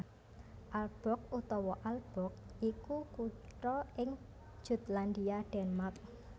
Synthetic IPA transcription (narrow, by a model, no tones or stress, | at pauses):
ʔalb̥ɔ̤k̚ut̪ɔwɔʔalb̥ɔ̤k̚ʔikukuʈɾɔɪŋ̥ | ʒ̥ṳt̪land̪iaɖ̥ɛnmark̚